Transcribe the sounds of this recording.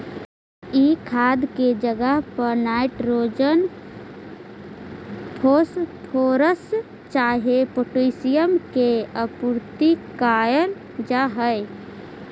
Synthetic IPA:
ikʰaːd̪ked͡ʒəɡəɦpəɾnaːɪʈɾoːd͡ʒən | pʰospʰoːɾəs | t͡ʃaːɦepoʈisijəmkeəpuɾt̪ikaːjən | d͡ʒaɦəɪ

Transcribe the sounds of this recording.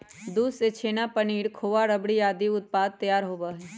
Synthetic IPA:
d̪uːset͡ʃʰeːnapəniːɽkʰoːʋaɾəbɽijaːd̪iʊt̪̚paːd̪̚t̪ːəjaːɾɦoːbaɦɛ

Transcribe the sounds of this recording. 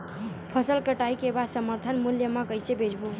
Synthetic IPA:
pʰəsəlkəʈaikebad̪səməɾt̪ʰənmuljəmakəjt͡ʃʰebed͡ʒbu

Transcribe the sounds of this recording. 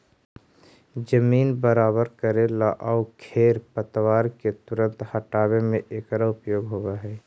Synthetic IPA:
d͡ʒəmiːnbəɾaːbəɾkəɾelaʔaːukʰeːɾpət̪waːɾket̪ʊɾə̃nt̪hɐʈaːwemẽʔeːkɾaʊpjoːɡɦoːɡaɦɛː

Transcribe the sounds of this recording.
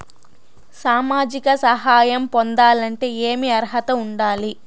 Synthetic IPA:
saːmaːd͡ʒikɐsɐɦaːjɐmpond̪aːlɐɳʈe̞ːeːmiɐɾɦɐt̪ɐuɳɖaːli

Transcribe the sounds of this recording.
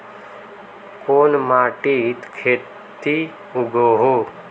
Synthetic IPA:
koːnmaːʈit̪kʰeː | t̪i | ʊɡoːɦoː

